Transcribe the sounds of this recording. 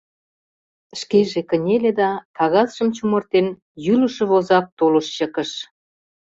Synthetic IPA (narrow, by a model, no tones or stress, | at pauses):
ʃkeʒekə̆nʲeled̪ɑkɑɣɑzʃəmt͡ɕumort̪en | jyləʃɤ̆βozɑp̚t̪oləʃt͡ɕəkə̆ʃ